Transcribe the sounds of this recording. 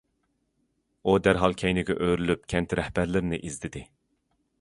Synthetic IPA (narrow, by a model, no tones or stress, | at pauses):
ud̪æɾɦɑlˠkʲʰɛjnɪɡʲɛ̰ʔøɾylyp̚kʲʰɛnt̪ɪɾɛhbæɾlɪɾnɪʔizd̪ɪd̪ɪ